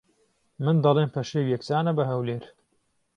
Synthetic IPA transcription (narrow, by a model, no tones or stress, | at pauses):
mɨnd̪ɐlˠeːnpʰɐʃewjɛkt͡saːnɐbɐɦɐwleːɾ